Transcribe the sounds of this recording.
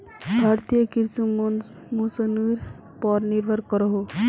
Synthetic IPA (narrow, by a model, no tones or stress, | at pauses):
bʱaɾt̪ijəkiɾsu | musəniɾ | pɔɾniɾbʱəɾkəɾɔɦo